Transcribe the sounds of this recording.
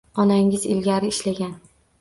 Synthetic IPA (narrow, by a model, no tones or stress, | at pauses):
ɒnaŋɪzɪ̰lɡʲaɾɪːʃlaɡʲan